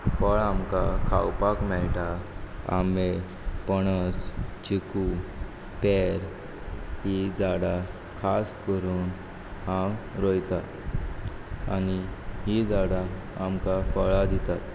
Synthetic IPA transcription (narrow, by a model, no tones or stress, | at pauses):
fəɭamkakʰa̰wpakmɛɭʈaa̰me | pəɽ̃ət͡st͡ɕiku | pɛɾ | ɦid͡zaɽa | kʰaskəɾuːn | ɦãwɾojt̪a | aniɦid͡zaɽa | amkafəɭad̪it̪at̪